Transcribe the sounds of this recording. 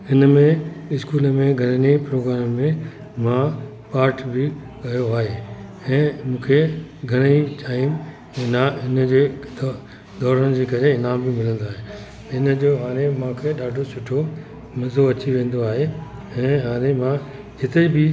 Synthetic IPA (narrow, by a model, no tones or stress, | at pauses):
ɪnəmẽɪskuːlə̆mẽɡʱɐɾənipɾoːɡɾaːmmẽ | mã | paːɾʈʰbɪ | kɐjoaːɦe | ɛ̃ːmũːkʰeɡʱɐɽ̃əiʈaːɪm | ɪnaɦɪnəd͡ʑeː | d̪ɔːɾəñ̆d͡ʑeːkɐɾeɪnaːmbɪmɪlə̃nd̪oaːɦe | ɪnəd͡ʑoːɦaːɾ̃ẽmãkʰeɗaːɖʱosʊʈʰo | mɐzoɐt͡ɕiʋẽːn̆d̪oaːɦeɛ̃ːɦaːɾemã | d͡ʑɪt̪ebɪ